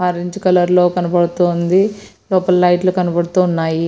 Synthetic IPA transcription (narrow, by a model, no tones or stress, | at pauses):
aːɾiɲd͡ʒukɐlɐɾlo̞ːkɐnɐbɐɽut̪ond̪i | loːpɐlːɐjʈlukɐnɐbɐɽut̪uːnːaːji